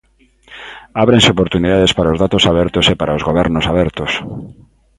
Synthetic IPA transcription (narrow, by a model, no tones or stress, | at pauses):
aβɾenseopoɾt̪uniðaðespaɾaozðat̪osaβɛɾt̪ʊsepaɾaozɣoβɛɾnosaβɛɾt̪ʊs